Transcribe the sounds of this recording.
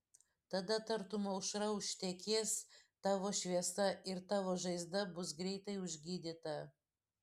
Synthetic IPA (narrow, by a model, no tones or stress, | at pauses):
t̪ɐd̪ɐt̪ɐɾt̪ʊmɐʊʃɾɐʊʃʲt̪ʲɛkʲeːst̪ɑːʋoːʃʲʋʲiɛsɐɪɾt̪ɑːʋoːʒɐɪzd̪ɐbʊs̬ɡɾʲɛɪt̪ɐɪʊʒʲɡʲiːd̪ʲɪt̪ɐ